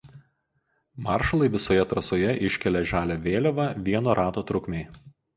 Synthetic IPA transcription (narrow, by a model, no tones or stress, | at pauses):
mɑˑɾʃɐlˠɐɪʋʲɪsoːjɛt̪ɾɐsoːjɛʔɪʃʲkʲɛlʲɛʒʲæːlʲoʋʲeːlʲoʋɐʋʲiɛnoːɾʔɑːt̪oːt̪ɾʊkmʲeɪ